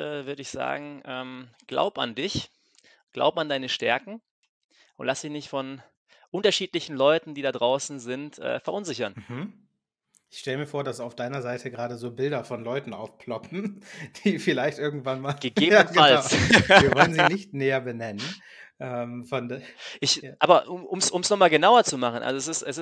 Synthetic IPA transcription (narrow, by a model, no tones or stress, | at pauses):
ʔɛːvʏɐdəɪçz̥a̰ːɡŋ̩ʔɛːmɡ̥la̰ʊbəa̰ndɪç | ɡ̥la̰ʊbəandaɪnəʃtɛɐkŋ̩ | ʔʊntlasd̥ɪçnɪçtfɔn | ʔʊntɐʃiːtlɪçn̩lɔʏtn̩diːdadʁaʊsn̩zɪntʔɛ̰ːfɛɐʔʊnzɪçɐnm̩hm̩ | ʔɪçʃtɛləmiːɐfoːɐɾasaʊfd̥aɪnɐzaɪtʰəɡʁaːdəzoːbɪldɐfɔnlɔʏtn̩ʔaʊfpʰl̥ɔpm̩d̥iːfɪlaɪçtʔɪɐɡŋ̩tv̥anmaːlɡ̥əɡeːbɡalsiːɐvɔlənziːnɪçtneːɐbənɛnən | ʔɛmfɔndʔɪçʔaːbɐʔʊmʔʊmsʔʊmsnɔχmaːlɡənaʊɐt͡sumaχn̩ʔa̰lzoɛs̬ɪstɛsɪ